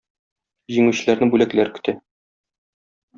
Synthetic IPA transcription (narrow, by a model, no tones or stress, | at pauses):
ʑiŋʉɕɘ̆læɾnɘbʉlæklæɾkɵ̆t̪æ